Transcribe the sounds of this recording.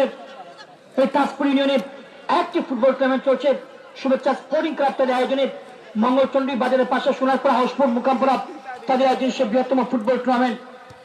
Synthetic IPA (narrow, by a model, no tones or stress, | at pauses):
eɾ | et̪aspoɾjunioneɾ | ɛk̚ʈifuʈ̚bɔlkɾamenʈ̚t͡ɕolt͡ɕʰe | ʃubet͡ɕɕʰaspoɾʈiŋkɾap̚t̪ad̪eɾaejod͡ʑoniɾ | mɔŋɡolt͡ɕonɖɾibad͡ʑaɾeɾpaʃaʃunaɾpɔɾaɦoʃpoɾmukampoɾat̪ad̪eɾajod͡ʑoniʃebɾiɦot̪ːɔmofuʈ̚bɔlkɾamen